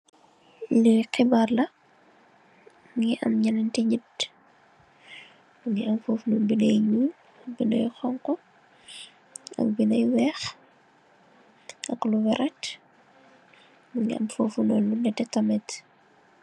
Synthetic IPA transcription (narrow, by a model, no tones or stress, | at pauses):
liqibarlɐ | ŋɡiʔɐmɲɐnɐntiɲid | buŋɡiɐmfoːfnubinɐjɲuː | ɐk̚binɐ̰jxɔŋkɔ | ɐ̰k̚binɐjwɛx | ɐ̰kluwɛɾɛt | buŋɡiɐ̰mfoːfunɔlːunɛtɛtɐmɛt